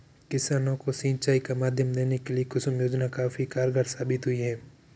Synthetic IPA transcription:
kɪsaːnõkosĩːnt͡ʃaːikamaːd̪ʱjəmd̪eːnekeliekʊsʊmjoːd͡ʒnakaːfikaːɾɡaɾsaːbɪt̪ɦʊiɦɛː

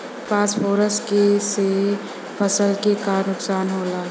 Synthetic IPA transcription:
paːspʰoːɾəskese | pʰəsəlkekaːɾnʊksaːnɦoːlaː

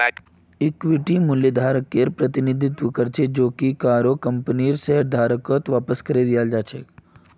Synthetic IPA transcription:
ikʋiʈimuljəd̪ʱaːɾəkːeɾpɾət̪inid̪ʱit̪ʋəkəɾt͡ʃʰed͡ʒoːkikaːɾokəmpəniːɾseɦəɾd̪ʱaːɾəkət̪ʋaːpəskəɾed̪ijald͡ʒat͡ʃʰḛ

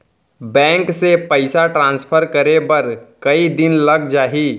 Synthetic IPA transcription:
bɛ̃ːŋksepəɪsaʈɾãːnspʰəɾkɐɾebɐɾkɐid̪ɪnlɐɡd͡ʒaːɦiː

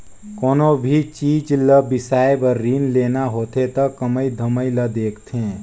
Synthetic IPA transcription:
koːnobʱit͡ʃiːd͡ʒləbɪsaːjebəɾːiːnleːnaɦoːt̪et̪ɐkɐməid̪ʱəməiləd̪eːkʰt̪ʰẽː

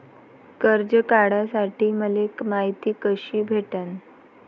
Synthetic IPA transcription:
kəɾd͡ʑəkaɽasaʈʰiːməlekmaɦit̪iːkəɕiːbʱeʈan

